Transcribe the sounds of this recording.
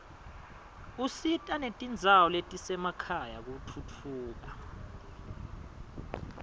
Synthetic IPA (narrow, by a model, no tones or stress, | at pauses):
usitʼanetʼind͡zʱawɔletʼisɛmakʰaja̰k̬utʰut͡fʰuːk̬a